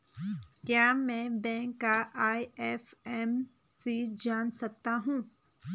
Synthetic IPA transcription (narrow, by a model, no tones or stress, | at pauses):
kjaːmɛ̃ːbɛ̃ːŋkːaʔaːɛːfɛm | sid͡ʒaːnsɐk̚t̪aɦũː